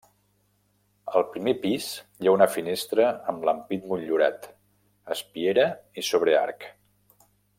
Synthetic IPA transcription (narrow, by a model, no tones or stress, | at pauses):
əlˠpɾimepizjaunəfinest̪ɾəəmləmpit̪muʎʎuɾa̰t̪ | əspieɾəisoβ̞ɾea̰ɾk